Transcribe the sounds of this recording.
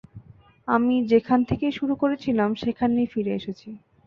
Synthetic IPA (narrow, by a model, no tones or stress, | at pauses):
amid͡ʑekʰant̪ʰekeʃuɾukoɾet͡ɕʰilamʃekʰanːifiɾeeʃet͡ɕʰi